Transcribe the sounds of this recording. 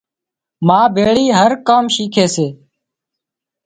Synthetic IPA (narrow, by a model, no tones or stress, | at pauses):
mãːbʱeːɭiːɦəɾkaːmʃiːkʰeːseː